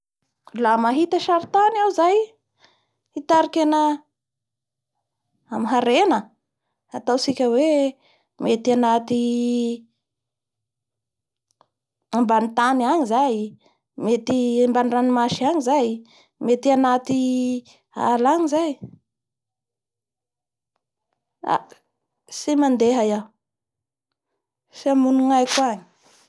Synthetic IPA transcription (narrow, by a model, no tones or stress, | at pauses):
lamaɦit̪əʃaɾit̪anawzaj | it̪aɾikenə | amiɦaɾenə | at̪awsikʲəwe | met̪ianat̪i | ambanit̪aniaɲizaj | met̪iambaniranimaʃiaɲizaj | met̪ianat̪i | a̰laɲizaj | a̰ | simand̪eɦajaw | fiamunuŋajkwaɲi̥